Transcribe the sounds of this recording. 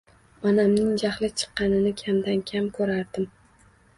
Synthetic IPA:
ɒnamnɪŋd͡ʒaχlɪt͡ʃʰɨ̥qːɑnɪnɪkʲʰamd̪ankʲʰamkʰɵɾaɾd̪ɪm

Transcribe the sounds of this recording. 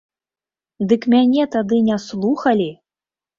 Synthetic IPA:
d̪ɨkmʲanʲɛt̪ad̪ɨnʲaslˠuxɐlʲi

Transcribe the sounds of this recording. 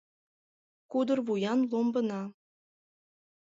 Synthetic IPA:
kud̪ə̆rβujɑnlˠombə̆nɑ

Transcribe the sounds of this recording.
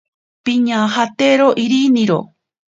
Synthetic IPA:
piɲãːɦat̪eɾoʔiɾinĩɾo̰

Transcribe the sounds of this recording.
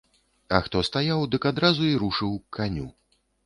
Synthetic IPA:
ɐxt̪ɔst̪ajawd̪ɨkad̪ɾazuiɾuʂɨwkʰanʲu

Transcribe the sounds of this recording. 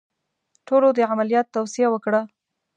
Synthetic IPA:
ʈolod̪əʕamalijɑt̪ːawsijawəkɽa

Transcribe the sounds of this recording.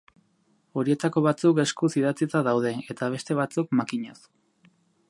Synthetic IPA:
o̞ɾie̞t̪ako̞βat͡suke̞skusiðat͡sit̪aðawð̞e̞e̞t̪aβ̞e̞st̪e̞β̞at͡sukmakiɲas

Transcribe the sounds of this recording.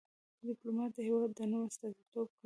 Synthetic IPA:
d̪ɪplomɑt̪̚d̪əhewɑd̪ːənəwast̪ɑd̪it̪ob̚k

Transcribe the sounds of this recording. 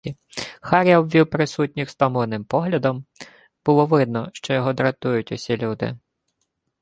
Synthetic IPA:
xɑɾʲɐɔbʋʲiwpɾɪsutʲnʲixst̪ɔmɔlˠɔnɪmpɔɦlʲɐd̪ɔm | b̥ʊlˠɔʋɪd̪nɔʃt͡ʃɔjɔɦɔd̪ɾɐt̪ujʊtʲɔsʲilʲud̪ɪ̰

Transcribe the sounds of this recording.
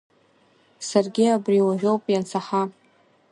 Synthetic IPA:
sarɡʲiabriwaʒᶣo̞wpʼjant͡sʰaħa

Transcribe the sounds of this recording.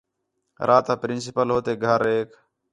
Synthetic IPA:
ɾʔaːt̪aːpɾɪnsɪpəlɦoːt̪eːɡʱəɾeːk

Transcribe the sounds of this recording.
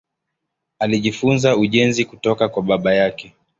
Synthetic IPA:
aliʄifunzauʄɛnzikutɔkakwaɓaɓajakɛ

